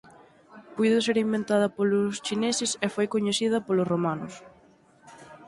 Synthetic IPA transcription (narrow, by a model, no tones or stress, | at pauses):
pujðos̬eɾimbẽnt̪aðɐpolʊst͡ʃinesɪsefojkoɲeθiðɐpolʊsromanʊs